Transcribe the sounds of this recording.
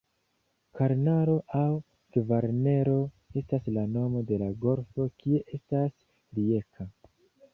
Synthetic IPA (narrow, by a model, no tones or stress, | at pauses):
kaɾnaɾo̞ʔaw | ɡ̥vaɾne̞ɾo̞ | e̞staslano̞mo̞de̞laɡo̞ɾfo̞kie̞ʔe̞stas | liekʰa